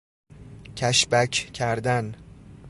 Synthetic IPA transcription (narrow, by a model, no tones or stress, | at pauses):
cʰæʃbæcʰcʰæɾd̪æn